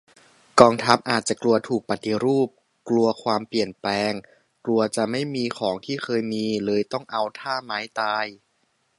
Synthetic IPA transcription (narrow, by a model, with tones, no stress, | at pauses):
kɔː˧ŋt̪ʰa˦˥p̚ʔaː˨˩t̪̚t͡ɕa˨˩klu˧ɐt̪ʰuː˨˩k̚pa˧t̪i˧ɾuː˥˩p̚ | klu˧ɐkʰwaː˧mpli˨˩ənplɛː˧ŋ | klu˧ɐt͡ɕa˨˩ma˥˩jmiː˧kʰɔː˩˦ŋt̪ʰiː˥˩kʰɤː˧jmiː˧lɤː˧jt̪ɔ˥˩ŋʔa˧wt̪ʰaː˥˩maː˦˥jt̪aː˧j